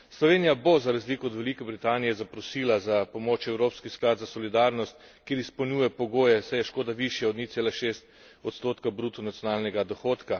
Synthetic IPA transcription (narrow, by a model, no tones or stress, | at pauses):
slɔʋeːnijabozaɾazliːkɔɔd̪ʋɛlikɛbɾit̪aːnijɛzapɾɔsiːlazapɔmot͡ʃɛwɾoːpskisklaːd̪zasɔlid̪aːɾnɔst̪ | keːɾispɔwnʲjuːjɛpɔɡoːjɛsɛjɛʃkoːd̪aʋiʃjɛɔd̪nit̪seːlaʃeːst̪̚ | ɔt̪st̪oːt̪kabɾuːt̪ɔnat̪sjoɔnaːlnɛɡad̪ɔxoːt̪ka